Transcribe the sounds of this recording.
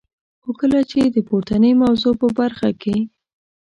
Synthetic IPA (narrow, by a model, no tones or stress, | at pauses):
xokəlat͡ʃed̪əpoɾt̪anəjmawzopəbaɾxake